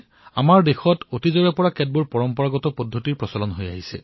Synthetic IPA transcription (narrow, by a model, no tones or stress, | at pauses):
a̰maɹdexɔtotizɔɹɛpɔɹakɛd̚buɹpɔɹɔmpɔɹaɡɔtɔpɔdʱːotiɹpɹɔsalɔnɦoja̰ɦisɛ̰